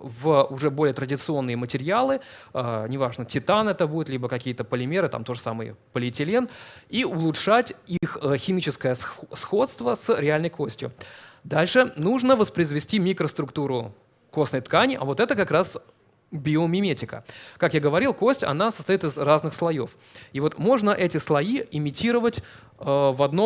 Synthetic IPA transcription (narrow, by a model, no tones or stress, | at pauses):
vʊʐɛbo̞lʲɪjət̪ɾədʲɪt̪sɨo̞nːɨjəmətʲɪɾʲɪalˠɨ | ənʲɪvaʐnətʲɪt̪anɛt̪əbudʲɪt̪lʲibəkɐkʲijət̪əpəlʲɪmʲe̞ɾɨt̪a̰mt̪o̞ʐəsamɨjə̰pəlʲɪtʲɪlʲeniʊlˠʊtʂatʲixəxʲɪmʲit͡ɕɪskəjəsxo̞t̪st̪vəsɾʲɪalʲnəjkosʲtʲjʊ̰d̪alʲʂɨnuʐnəvəspɾʲɪzvʲɪsʲtʲimʲikɾəst̪ɾʊkt̪uɾʊ | ko̞snəjt̪kanʲɪʔɐ̰vo̞t̪ɛt̪əkakɾas | bʲɪomʲɪmʲetʲɪkə̰kakjaɡəvɐɾʲilˠko̞sʲtʲɐ̰nasə̥st̪ɐjit̪ɨzraznɨxslˠɐjo̞f | ivo̞t̪mo̞ʐnəʔɛtʲɪslˠɐiɪmʲɪtʲiɾəvətʲ | əvɐd̪no